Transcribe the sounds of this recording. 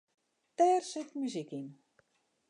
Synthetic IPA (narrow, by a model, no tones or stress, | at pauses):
tɛːrsɪtmyzikin